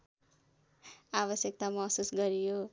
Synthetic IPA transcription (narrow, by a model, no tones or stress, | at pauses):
aβʌsjʌk̚t̪amʌsusɡʌɾijo